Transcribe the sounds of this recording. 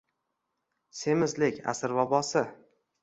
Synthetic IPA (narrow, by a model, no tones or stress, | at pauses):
se̞mɪzlɪkʲa̰sɪɾvɒbɒsɪ